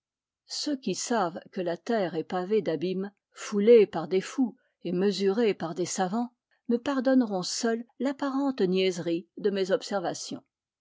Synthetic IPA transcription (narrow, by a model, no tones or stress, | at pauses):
søkʲisavkəlat̪ɛʁɛpaved̪abim | fulepaʁd̪efu | eməzyʁepaʁd̪esavɑ̃ | məpaʁd̪ɔnʁɔ̃sœlːapaʁɑ̃t̪njɛzʁid̪əmezɔpsɛʁvasjɔ̰̃